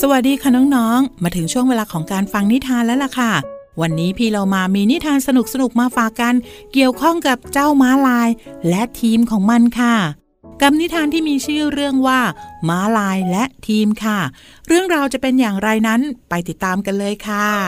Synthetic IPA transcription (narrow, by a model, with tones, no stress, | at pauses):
sa˧wa˨˩t̪̚diː˧kʰa˥˩nɔː˦˥ŋnɔː˦˥ŋmaː˧t̪ʰɯ˩˦ŋt͡ɕʰu˥˩ŋweː˧laː˧kʰɔː˩˦ŋkaː˧nfa˧ŋni˦˥t̪ʰaː˧nlɛː˦˥la˨˩kʰa˥˩wa˧nːiː˦˥pʰiː˧lo˧wmaː˧miː˧ni˦˥t̪ʰaː˧nsa˧nu˨˩k̚sa˧nu˨˩k̚maː˧faː˨˩kːa˧nki˨˩əwkʰɔ˥˩ŋka˨˩p̚t͡ɕaː˥˩wmaː˦˥laː˧jlɛ˦˥t̪ʰiː˧mkʰɔː˩˦ŋma˧nkʰa˥˩ | ka˧mni˦˥t̪ʰaː˧nt̪ʰiː˥˩miː˧t͡ɕʰɯː˥˩ɾɯ˥˩əŋwaː˥˩maː˦˥laː˧jlɛ˦˥ʔt̪ʰiː˧mkʰa˥˩ | ɾɯ˥˩əŋɾaː˧wt͡ɕa˨˩pe˧njaː˨˩ŋɾa˧jna˦˥npa˧jt̪i˨˩t̪ːaː˧mka˧nlɤː˧jkʰa˥˩